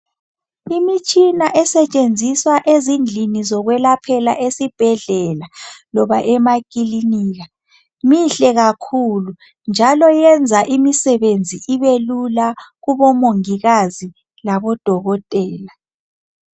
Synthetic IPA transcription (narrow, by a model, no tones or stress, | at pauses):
imit͡ʃʼinaʔɛsɛt͡ʃʼend͡zʱiswaʔezind͡ɮʱinizɔɣwɛlapʰɛlaʔesib̥ʱɛɮɛlalɔβaʔɛmakʼiliniːɣa | miɬɛɣakʰulu | nd͡ʒʱalɔjɛnd͡zʱaʔimisɛβend͡zʱiʔiβelulaɣuβɔmoŋiɣazi | laβɔd̥ʱɔɣɔtʼɛːla